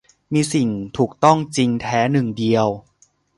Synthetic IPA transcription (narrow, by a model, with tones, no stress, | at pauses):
miː˧si˨˩ŋt̪ʰuː˨˩k̚t̪ɔ˥˩ŋt͡ɕi˧ŋt̪ʰɛː˦˥nɯ˨˩ŋdi˧əw